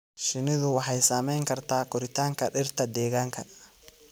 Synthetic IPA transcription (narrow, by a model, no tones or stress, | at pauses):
ʃɪnɪðʊwɑħɑjsaːmɛjŋkʰɐrt̪ʰaːkʰɔɾɪt̪ʰaːŋkʰɐɗɪrt̪ʰɐd̪ɛːɣaːŋkʰɐ